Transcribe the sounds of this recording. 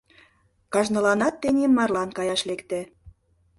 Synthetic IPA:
kɑʒnɤ̆lɑnɑt̪ːenʲemːɑrlɑnkɑjɑʃlekt̪ĕ

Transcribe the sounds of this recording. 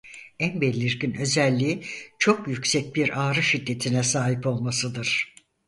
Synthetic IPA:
ænbelʲːiɾɟinø̞zɛlʲːiːt͡ʃʰo̞kjycsɛc̚biɾaːɾɯʃid̪ːe̞t̪ʰinɛsaːɦipo̞lˠmasɯd̪ɯɾ̥

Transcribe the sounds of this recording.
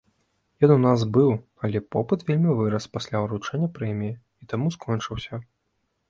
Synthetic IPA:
jɔnunasbɨw | ɐlʲɛpɔpɨt̪vʲelʲmʲivɨɾɐspasʲlʲaɾut͡ʂɛnʲːɐpɾɛmʲiji | it̪amuskʰɔnt͡ʂɨwsʲɐ

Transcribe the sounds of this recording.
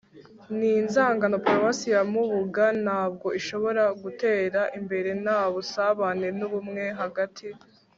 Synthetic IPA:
niːnzaːŋɡano̞pɾovasijamuβuɡanaːb̚ɡo̞ʔiʃo̞βo̞ɾaɡute̞ːɾaʔimbe̞ɾe̞naβusaβane̞nuβumŋe̞ɦaɡatʰi

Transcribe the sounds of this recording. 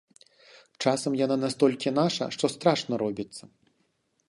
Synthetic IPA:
t͡ʂasɐmjananast̪ɔlʲkʲinaʂɐ̰ʂt̪ɔst̪ɾaʂnɐɾɔbʲit̪sːɐ

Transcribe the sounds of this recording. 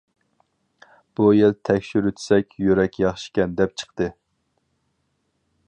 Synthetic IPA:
b̥ujelt̪ʰɛkʲʃyɾøt̪ʰɪ̥sɛkʲjøɾɛkʲʰjɑχʃi̥kʲɛnd̪ɛp̚t͡ʃʰə̥qt̪ɨ

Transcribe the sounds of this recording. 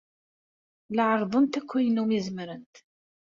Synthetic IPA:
ləʕəɾˤðˤənt̪ækʷːæjənumizəmɾənt̪

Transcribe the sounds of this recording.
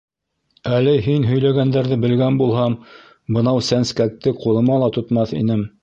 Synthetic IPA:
ælɘɦinɦɵ̆jlæɡænd̪æɾðɘbɘ̆lɡænbulˠɦɑm | bɤ̆nɑwsænskæk̚t̪ɘqulˠɤ̆mɑlˠɑt̪ŏt̪mɑθḭnɘm

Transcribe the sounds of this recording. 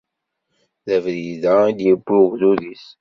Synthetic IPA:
ðævɾiðæid̪jəbːuɣðuðis

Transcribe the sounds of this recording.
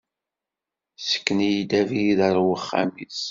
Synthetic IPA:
sə̥kːənijd̪æviðəɾˤwəχːa̰mis

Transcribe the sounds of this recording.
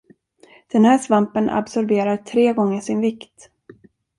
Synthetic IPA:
d̪̥ɛnhæːʂvampənʔa̰bsɔɾbeːɾat̪ʰɾeːɡɔŋːəʂɪnvɪkt̪

